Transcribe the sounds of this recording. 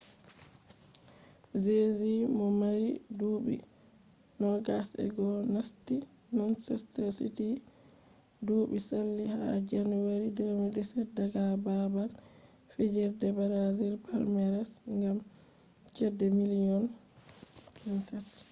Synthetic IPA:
zezimɔmaɾiduɓḭ | nɔɡasɛ̰ɡɔnasti | nɔnsɛstɛsḭti | duːɓisalːihad͡ʒanwaɾidomɛdɛsɛdaɡababal | fed͡ʒɛɾdɛbaɾaziɾpalmɛɾɛsŋɡam | t͡ʃɛdːɛmiliɔn | kʰinsɛt

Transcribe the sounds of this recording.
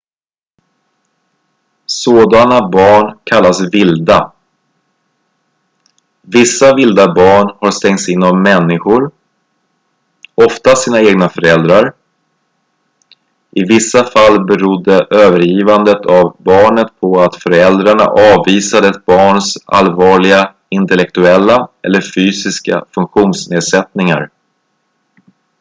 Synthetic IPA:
soːd̪anabɑːɳkʰalːasvɪld̪a | vɪsːavɪld̪abɑːɳhaɾst̪ɛŋt̪sɪnːɔmːɛnːɪɧʊɾ | ɔft̪asiːnaeːɡnafœɾɛld̪ɾaɾ | ʔɪvɪsːafalːbɛɾud̪ːəʔøːvəɾjiːvand̪ət̪ʰavbɑːɳət̪̚pʰɔat̪fœɾɛld̪ɾaɳa̰ʔɑːvːiːsad̪əɛt̪̚bɑːɳsʔa̰lvɑːɭɪɡa | ɪnt̪ɛlɛk̚t̪ɵɛlːaɛ̰lːəɾfyːsɪska̰fɵŋkɧuːnsneːd̪sɛt̪nɪŋa̰ɾ

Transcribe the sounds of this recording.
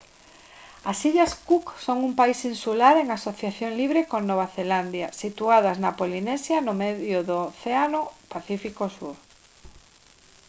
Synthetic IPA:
asiʎaskuksoŋumpaisinsulaɾeŋasoθjaθjoŋliβ̞ɾekonoβ̞aθeland̪jasit̪uaðɐznapolinɛsjanʊmeðjʊðʊθeanʊpaθifikosuɾ

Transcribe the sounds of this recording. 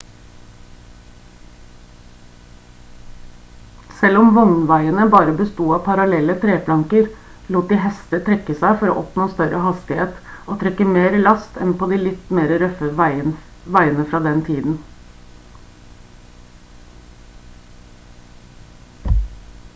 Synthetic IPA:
sɛlːɔmʋɔŋnʋæɪənəbɑːɾəbəst̪uːɑːpʰɑɾɑlɛlːət̪ʰɾeːplɑŋkəɾ | luːt̪̚d̪iːɦɛst̪ət̪ʰɾɛkːəsæɪfɔɾo̰ːʔɔpnoːst̪œɾʔəhɑst̪ɪheːt̪ʔoːt̪ʰɾɛkːəmeːɾəlɑst̪ʰɛ̰npʰoːd̪iːlɪt̪meːɾəɾœfəʋæɪənʋæɪənəfɾɑːd̪ɛnt̪ʰiːd̪n̩

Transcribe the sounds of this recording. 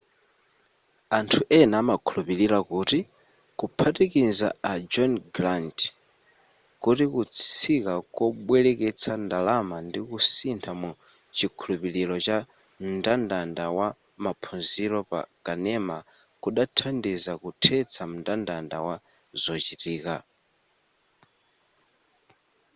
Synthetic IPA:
antʰuʔɛnaːmakʰulupiɾilakuːti | kupʰatikiza̰ad͡ʒɔnɡɾant | kutikut͡sʰikakɔɓwɛlɛkɛt͡sʰandalamandikusintʰamu | t͡ʃikʰulupililɔt͡ʃa | m̩ndandandawa | mapʰunziɾɔpa̰kanɛma | kuɗatʰandizakutʰɛt͡sʰam̩ntandanda̰wa | zɔt͡ʃitiːka

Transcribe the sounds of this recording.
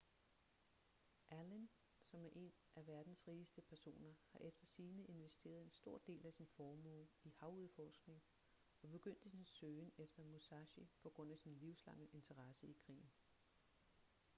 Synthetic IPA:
ʔælen | sɒ̽mæɐʔe̝n | ʔæʋæɐd̥n̩sʁiːsd̥əpʰæɐso̝̰ːnɐhɑ̈ʔefd̥ɐsiːnəe̝nʋesd̥e̝̰ːɐð̞ˠe̝nsd̥o̝ɐ̰d̥e̝̰ːlæsinfɒːmo̰ihɑ̈ʊuð̩ˠfɒːsɡ̥ne̝ŋ | ɒ̽b̥e̝ɡ̥øn̰d̥əsinsøːnefd̥ɐmusɑɕipʰɒ̽ɡ̥ʁɔ̽n̰æsinliʊslɑ̈ŋ̰əʔe̝nt͡sʰɐʁɑ̈səikʰʁḭːn̩

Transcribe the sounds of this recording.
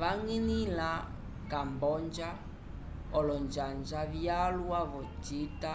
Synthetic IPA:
βaŋinila | kambɔnd͡ʒa | ɔlɔnd͡ʒand͡ʒaβjaluaβɔt͡ʃita

